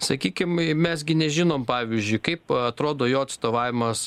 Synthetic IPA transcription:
sɐkʲiːkʲɪmmʲɛsɡʲɪnʲɛʒʲɪnoːmpɑːʋʲɪzʲd͡ʒʲʊɪkɐɪpɐt̪ɾoːd̪oːjoːɐt̪st̪oːʋɑːʋʲɪmɐs

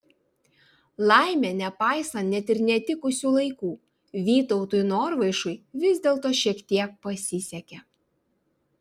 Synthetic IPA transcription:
lˠɑɪmʲɛnʲɛpɑˑɪsɐnt̪nʲɛt̪ɪɾnʲɛt̪ʲɪkʊsʲuːlˠɐɪkuː | ʋʲiːt̪ɔʊt̪ʊjnoːɾʋɐɪʃʊɪʋʲɪzʲd̪ʲeːlˠt̪oːʃʲiɛkt̪ʲiɛk̚pɐsʲɪsʲɛkʲɛ

